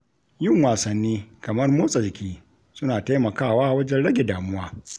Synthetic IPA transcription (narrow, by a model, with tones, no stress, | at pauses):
jʊ˦˨ŋwaː˨sɐ˨nːiː˦kɐ˨mɐ˦rmoː˦sʼɐ˨ɾkʲʰiː˦ | sʊ˦naː˨ta˦jmɐ˨kaː˦˨waː˦wɐ˦d͡ʒɛ˦nɽɐ˦ɡʲe˨daː˨mʊ˦waː˦